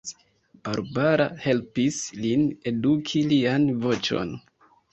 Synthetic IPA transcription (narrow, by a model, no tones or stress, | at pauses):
b̥aɾbaɾa̰he̞lpisline̞dukʰilianvo̞t͡ʃo̞̰n